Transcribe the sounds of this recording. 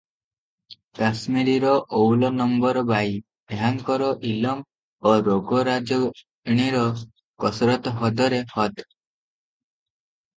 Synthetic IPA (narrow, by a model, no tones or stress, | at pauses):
kasmiɾiɾɔʔowlɔnɔmbɔɾɔbaj | bejaŋkɔɾɔʔilɔm | oɾoɡɔɾad͡ʒɔ | ɽ̃iɾɔ | kɔsɾɔt̪ɔɦɔd̪ɔɾehɔd̪